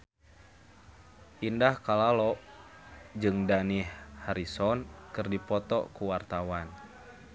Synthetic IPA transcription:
ʔindahkalalɔʔ | d͡ʒɨŋdanihhaɾisɔnkɨrdipɔt̪ɔ̰kuwart̪awan

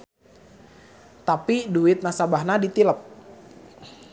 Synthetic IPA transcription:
t̪apiduɪt̪̚nasabahnadit̪iləp̚

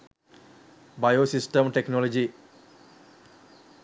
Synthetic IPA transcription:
bɐjoːsisʈɐmʈeknoːlɐd͡ʒi

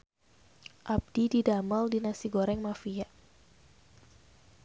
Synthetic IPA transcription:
ʔab̚dididaməldinasiɡoɾɛŋmafiaʔ

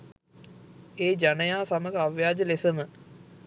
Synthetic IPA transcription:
eːd͡ʒanəjaːsaməɡəaʋjaːd͡ʒəlesəmə

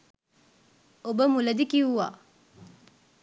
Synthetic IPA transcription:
obəmulɐd̪ikiʋuʋa̰ː

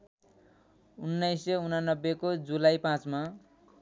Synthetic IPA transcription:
unːajsʌunanːʌbːekod͡zulajpãt͡sma

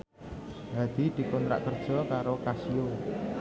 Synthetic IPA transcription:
ɦad̪̥i̤d̪̥i̤kɔnt̪ɾa̰ʔkərd̥ʒ̥ɔ̤kaɾokasio

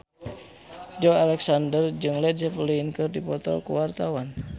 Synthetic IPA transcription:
d͡ʒɔalɛksandərd͡ʒɨŋlɛdd͡ʒəpəliinkɨrdipɔt̪ɔ̰kṵwart̪awan

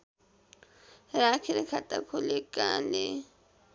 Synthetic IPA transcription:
ɾakʰiɾekʰat̪a̰kʰolekʼale

